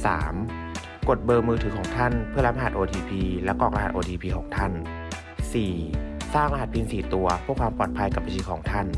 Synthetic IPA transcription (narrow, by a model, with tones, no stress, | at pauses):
sa̰ː˩˦m | ko˨˩t̪̚bɤː˧mɯː˧t̪ʰɯː˩˦kʰɔː˩˦ŋt̪ʰa˥˩npʰɯ˥˩ɐla˦˥p̚ʔa˧ɦa˨˩t̪ʔoː˧t̪ʰiː˧pʰiː˧lɛ˦˥kɔː˨˩k̚la˨˩ʔoː˧t̪ʰiː˧pʰiː˧kʰoː˩ŋ̚t̪ʰa˥˩n | siː˨˩saː˥˩ŋla˧ɦa˨˩t̪̚pʰiː˧nsiː˨˩t̪u˧ɐpʰːkwaː˧mpɔː˨˩t̪̚pʰa˧jka˨˩p̚ba˧˥t͡ɕʰiː˧kʰɔː˩˦ŋt̪ʰa˥˩n